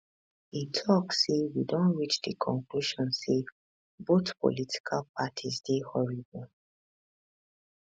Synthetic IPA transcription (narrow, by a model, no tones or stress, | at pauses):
itʰɔksːewidõnɹit͡ʃdikʰɔ̃ŋkluʃɔ̃nse | boθpo̰litʰi̥kʰalpʰatʰizdehɔɹibɔ